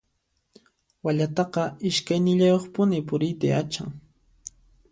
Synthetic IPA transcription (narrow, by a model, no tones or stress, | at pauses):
waʎat̪ɑqɑɪʃkajnɪʎajoχpʊnɪpʊɾɪjt̪aat͡ʃa̰ŋ